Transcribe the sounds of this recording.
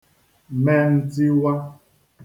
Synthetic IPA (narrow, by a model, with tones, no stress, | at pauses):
mɛ˦n̩˦ti˦wa˦